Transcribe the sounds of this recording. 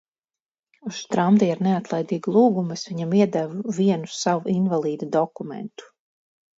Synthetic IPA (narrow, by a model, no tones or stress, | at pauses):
uʃst̪ɾamd̪iaɾneat̪lˠajd̪iːɡlˠuːɡumɨsviɲamiɛd̪ɛvuviɛnusawuʔinvalˠiːd̪ad̪ɔkumɛ̰nt̪u̥